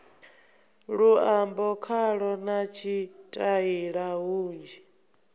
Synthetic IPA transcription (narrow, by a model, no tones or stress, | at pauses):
ɺuambɔkʰaɺɔnat͡ʃʰitʼaiɺaɦuːnd͡ʒi